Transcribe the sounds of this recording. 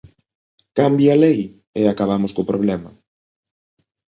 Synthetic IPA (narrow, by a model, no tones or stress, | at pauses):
kambjalej | eakaβ̞amoskopɾoβ̞lɛmɐ̰